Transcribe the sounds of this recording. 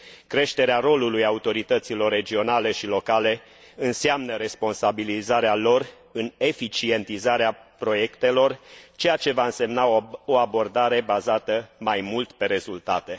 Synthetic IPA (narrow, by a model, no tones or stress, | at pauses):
kɾe̞ʃt̪e̞ɾeaɾo̞lulujaut̪o̞ɾit̪ət̪silo̞rːe̞d͡ʒio̞nale̞ʃilo̞kale̞ | ɨnseamnəɾe̞spo̞nsabilizaɾealo̞r | ɨne̞fit͡ʃie̞nt̪izaɾeapɾo̞je̞kt̪e̞lo̞rt͡ʃe̞jat͡ʃe̞vaɨnse̞mnaoabo̞rd̪aɾe̞bazat̪əmajmult̪pe̞ɾe̞zult̪at̪e̞